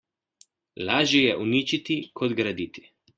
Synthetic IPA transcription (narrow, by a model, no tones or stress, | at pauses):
laːʒjɛjɛʔuniːt͡ʃit̪ikʰɔd̪ɡɾad̪it̪i̥